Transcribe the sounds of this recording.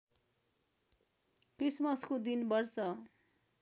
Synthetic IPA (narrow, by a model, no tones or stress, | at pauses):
krismʌskod̪inbʌrt͡sʌ